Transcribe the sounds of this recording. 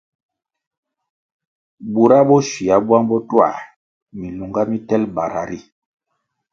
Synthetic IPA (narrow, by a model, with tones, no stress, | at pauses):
bu˨ɾa˦bɔ˦ʃi˨a˨ba˦ŋbɔ˦twa̰˦˨ | mi˨lu˨ŋɡa˦mi˦tɛ˦lba˨ɾa̰˨ɾi˦